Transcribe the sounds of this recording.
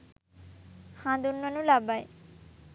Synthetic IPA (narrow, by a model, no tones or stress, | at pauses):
hãd̪unːonulabaj